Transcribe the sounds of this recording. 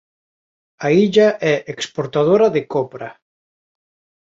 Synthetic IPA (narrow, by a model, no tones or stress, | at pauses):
aiʎaʔɛʔekspoɾt̪að̞oɾɐðɪkɔpɾɐ